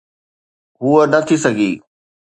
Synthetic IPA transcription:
ɦuənɐt̪ʰisɐɡʱḭː

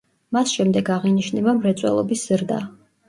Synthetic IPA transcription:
masʃɛmd̪ɛɡaʁiniʃnɛbamɾɛt̪sʼwɛ̰lˠɔbisz̥ɾd̪a̰

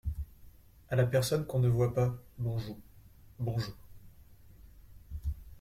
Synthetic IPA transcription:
alapɛʁsɔnkɔ̃nəvwapabɔ̃ʒubɔ̃ʒuːʁ

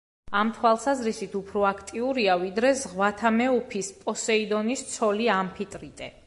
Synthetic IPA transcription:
amt̪ʰwalˠsazɾisit̪ʰupʰɾɔakʰt̪ʼiuɾiavid̪ɾɛzʁwat̪ʰamɛupʰispʼɔsɛid̪ɔnist̪sʰɔliampʰit̪ʼɾit̪ʼɛ

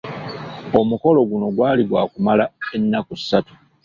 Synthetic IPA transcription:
omuko̞lo̞ɡuno̞ɡwaːliɡwaːkumalae̞nːakusːatu̥

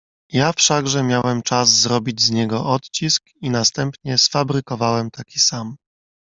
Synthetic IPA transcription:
jafʂaɡʐɛmʲjawɛmt͡ʂazːɾɔbʲid͡ʑzɲɛɡɔʔɔt̪t͡ɕisk | inast̪ɛmpɲɛsfabɾɘkɔvawɛmt̪akʲi̥sam

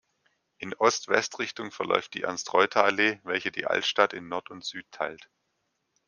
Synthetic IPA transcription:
ʔɪnʔɔstv̥ɛ̰stʁɪçtʊŋfɛɐlʔɔ̰ʏftd̥ḭːʔa̰nstʁ̥ɔʏtʰaaleːvɛlçədḭːʔa̰ltʃtatɪnːɔɐtʊntz̥yːtʰːaɪlt

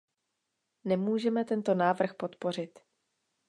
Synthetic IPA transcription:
nɛmuːʒɛmɛt̪ɛnt̪o̞naːvr̩xpo̞t̪po̞r̝ɪt̪

